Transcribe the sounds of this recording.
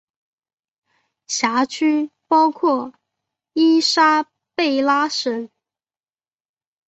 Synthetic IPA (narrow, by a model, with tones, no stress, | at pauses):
ɕja˧˥t͡ɕʰy˥pɑ˥ʊkʰwɔ˥˩ | i˥ʂa˥ | pe˥˩ɪla˥ʂə˧˥n